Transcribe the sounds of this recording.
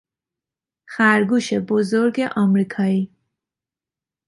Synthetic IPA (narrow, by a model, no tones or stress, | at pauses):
xaɾɡuʃebʊzoɾɡeʔɑmɾikʰɑi